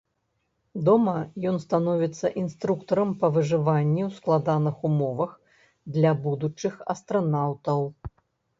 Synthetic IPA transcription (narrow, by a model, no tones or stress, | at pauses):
d̪ɔmɐjɔnst̪anɔvʲit̪sːɐʔinst̪ɾukt̪ɐɾɐmpɐvɨʐɨvanʲːiwsklˠad̪anɨxumɔvɐx | d̪lʲɐbud̪ut͡ʂɨxɐ̰st̪ɾɐnawt̪ɐw